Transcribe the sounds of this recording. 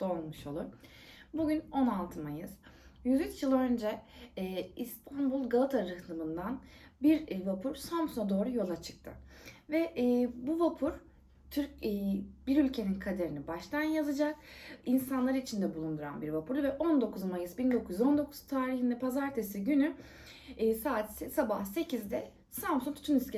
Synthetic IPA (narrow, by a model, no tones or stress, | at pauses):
d̪̥o̞nˠmɯʃo̞lˠuɾ | buɟʲyno̞nalˠt̪ʰɯmajɯz̥jyzyt͡ʃjɯlˠø̞nd͡ʒɛː | ist̪ʰanbulˠɡalˠat̪ʰaɾɯhlˠɯmɯnd̪anbiɾvapʰuɾsamsunad̪o̞ːɾujo̞lˠat͡ʃʰɯ̥k̚t̪ʰɯ̰vɛʔːbuvapʰuɾ̥ | t̪ʰyɾcːbiɾylʲcʰe̞ninkʰad̪e̞ɾinibaʃt̪ʰanjazɯd͡ʒakinsanlˠaɾit͡ʃʰind̪ɛbulˠund̪uɾa̰nbiɾvapʰuɾuvɛʔo̞nd̪o̞kʰuzmajɯsbind̪o̞kʰujyzo̞nd̪o̞kʰuz̥t̪ʰaːɾiɦind̪ɛpʰazaɾt̪ʰesiɟynyː | saːt̪sɛsabahse̞cʰizd̪ɛ | sampsunt̪ʰyt̪ʰynisce